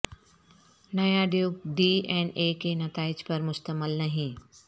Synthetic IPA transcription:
nɐjaɖjoːɡ̚ɖiːɛ̃ːneːkenɐt̪aːɪd͡ʒpɐɾmʊst̪əməlnɐɦĩː

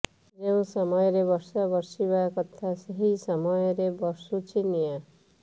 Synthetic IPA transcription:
d͡ʒewũsʌmʌjɾebʌɾsabʌɾsibakʌt̪ʰːasʌɦisʌmʌjɾebʌɾsut͡ʃʰinijã

